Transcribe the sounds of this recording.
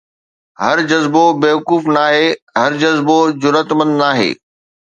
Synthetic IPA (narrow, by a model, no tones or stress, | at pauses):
ɦɐɾd͡ʑɐzbobeːʋɐkuːfnaːɦeːɦɐɾd͡ʑɐzbod͡ʑʊɾət̪mə̃nd̪naːɦḛː